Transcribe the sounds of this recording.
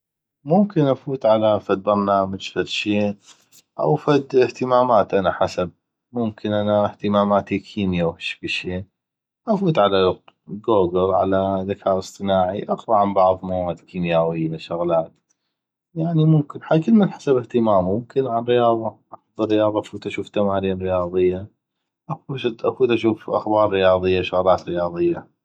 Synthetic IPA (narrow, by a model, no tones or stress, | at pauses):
mʊmkɪnʔafuːt̪ʕalafad̪̚bɑɾˤnaːmad͡ʒfaɾʃiːn | ʔa̰wfad̪ɪht̪ɪmaːmaːt̪ʔanaħasab̚ | mʊmkʰɪnʔanaht̪ɪmaːmaːt̪ikʰiːmjawhɪʃbiʃiːn | ʔafuːt̪ʕalaɡoːɡəɾˤʕalaðakʰaːʔɨsˤt̪ˤɨnaːʕiʔɑqɾˤɑʕambɑʕðˤmawaːd̪kiːmjaːwɪjːaʃʊɣlaːt̪ | jaʕnimʊmkɪnħakɪlmɪnħḁsabɪht̪ɪmaːmʊmkʰɪnʕanɾɪjɑːðˤɑʔaħɑd̪ˤɨɾːɪjɑːðˤɑʔafuːt̪ʔaʃuːft̪amaːɾiːnɾɪjɑːðˤɨjːa | ʔakud̪ʔafuːd̪ʔaʃuːfʔa̰xbɑːɾˤːɪjɑːðˤɨjːaʃʊɣlaːt̪ɾɪjɑːðˤɨjːa